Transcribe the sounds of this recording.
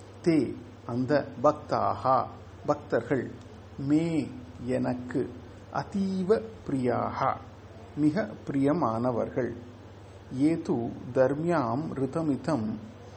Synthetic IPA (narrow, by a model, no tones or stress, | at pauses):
t̪eː | ɐnd̪ɐbɐk̚t̪a̰ːhɐ | bɐk̚t̪ɐɾɣɐɭ | meː | ɛnɐkːɯ̰ | ʔɐ̰t̪iːʋɐpɾɪja̰ːhɐ̰ | mɪɣɐpːɾɪjɐmaːnɐʋɐ̰ɾɣɐɭ | eːt̪uːd̪ɐɾmjaːmɾɪt̪ɐmɪt̪ɐm